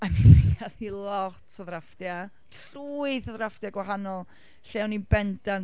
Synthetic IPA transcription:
aminmejaðilˠɔtʰəðrafd̥ja | truːɨðəðrafd̥jaɡwaɦanɔlˠ | ɬɛwninbɛndan

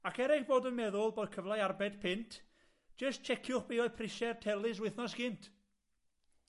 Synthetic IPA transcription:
akʰɛɾɪxboːdənmɛðʊlˠboːd̚kʰəvlˠajarbɛd̥pʰɪntʰ | d͡ʒ̥əst̚t͡ʃʰɛkʰjʊχb̥eɔjpʰrɪʃɛrtʰɛlˠɪs̬wɪθnɔsɡ̥ɪntʰ

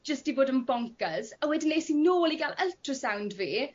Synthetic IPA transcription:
d͡ʒ̥əstibʊdənbɔŋkəzəwɛdɪnlesinoːliɡaləltɹəsawndveː

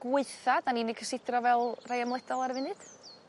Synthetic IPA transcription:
ɡ̥wɪɨθad̥aninɪkʰəsɪdrɔvɛlˠrajamlˠɛdɔlˠarvɪnɨd̥

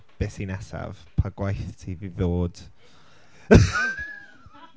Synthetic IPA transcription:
b̥esinɛsa̰v̥ | pʰaɡwajθtʰiviðoːd̥

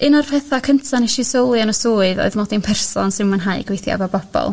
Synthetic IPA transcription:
ɨnɔrpʰɛθakʰəntʰanɛʃisowlˠɨanɔsoːɨðo̰ɨðmɔdinpʰɛrsɔnsɪnmənɦaɨɡwejθja̰babɔb̥ɔ̰lˠ

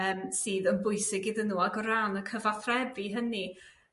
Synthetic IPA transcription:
əːmsiːðənbʊɨsɪɡɪðənuːaɡɔɾanəkʰəvaθrɛbiɦəni

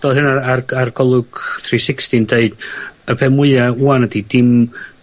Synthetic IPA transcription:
d̥ɔlˠɦɨnaararɡ̥ɔlˠʊɡ̥θrisɪkstindeɨd̥əpʰɛmʊɨauanədidɪm

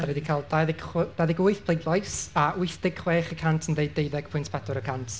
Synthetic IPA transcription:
wɛdikʰalˠdajðɪɡ̥χwd̥ajðɪɡʊɨθpʰlˠeɡlˠɔjsaʔʊɨθd̥ɪɡ̥χweːχəkʰantʰəndejdejðɛɡ̥pʰʊjntʰpʰɛdɔɾəkʰantʰ

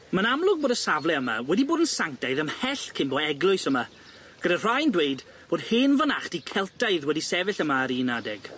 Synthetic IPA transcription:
mənamlˠʊɡ̚boːdəsavlɛəma̰wɛdiboːdənsaŋk̚tajðəmhɛɬkʰɪnbɔɛɡlˠʊɨsəma | ɡ̥ədar̥ajndwejd | b̥oːdhɪːnvənaχtikʰɛlˠtajðwɛdisɛvɪɬəmaːɾiːnadɛɡ̥

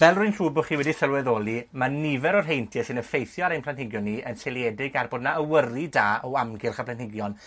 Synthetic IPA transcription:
vɛlˠrʊɨnruːbʊχiːwɛdisəlwɛðoːlˠimanɪvɛɾɔrɦejntʰjɛsɪnəfejθjɔaɾejnmplˠanthɪɡjɔnːiənselˠjɛdɪɡarbɔdnaəwəridaːɔamɡɪlˠχapʰlˠantɪɡjɔn

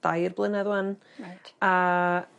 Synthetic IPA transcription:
d̥ajrblˠɪnɛðwan | a

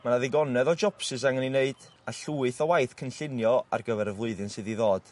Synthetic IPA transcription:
manaðɪɡɔnɛðɔd͡ʒɔpsɨs̬aŋənineɨd̥ | aɬuːɨθɔwajθkʰənɬɪnjɔa̰rɡəvɛɾəvlˠʊɨðɨnsɨðiðoːd̥

